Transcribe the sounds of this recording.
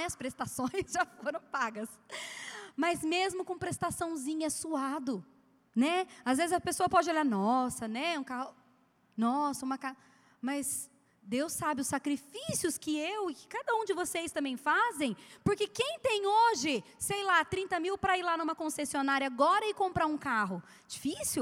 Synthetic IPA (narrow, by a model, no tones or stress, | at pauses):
nɛɐspɾest̪asõj̃zʒafoɾɐ̃w̃paɡɐs | mɐzmezmʊkõpɾest̪asɐ̃w̃zĩɲɐsuad̪ʊ | nɛazvezɪzɐpesoɐpɔd͡ʒɪoʎaɾnɔsɐnɛũkao | nɔsɐũmɐka | mɐz | d̪ewsːabɪʊsːakɾifisiʊskɪewɪkɪ̥kad̪ɐũd͡ʒɪvosejst̪ɐ̃mbẽj̃fazẽj̃pʊɾkekẽj̃t̪ẽj̃oʒɪ | sejlat̪ɾĩnt̪ɐmiwpɾɐiɾlanũmɐkõsesionaɾiɐaɡɔɾɐɪkõmpɾaɾũkaɦʊ | d͡ʒifisʊ